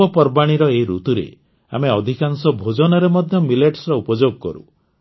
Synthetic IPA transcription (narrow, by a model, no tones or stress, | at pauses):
ɔpɔɾbaɽ̃iɾɔeɾut̪uɾḛ | a̰meɔd̪ʱikansɔbʱod͡ʒɔnɔɾemɔd̪ʱjɔmileʈsɾɔupɔd͡ʒoɡɔkɔ̰ɾṵ